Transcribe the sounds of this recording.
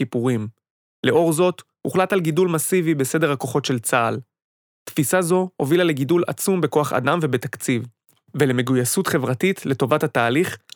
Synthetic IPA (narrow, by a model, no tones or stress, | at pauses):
ipuʁim | le̞ʔo̞ʁzo̞t | uχlatalɡidulmasivibese̞de̞ʁhako̞χo̞tʃe̞lt͡saːl | t̪fisazo̞ovilale̞ɡidula̰t͡sumbe̞ko̞aχa̰damvebetakt͡siv | vele̞me̞ɡujasutχe̞vʁatitle̞to̞vathataːliχ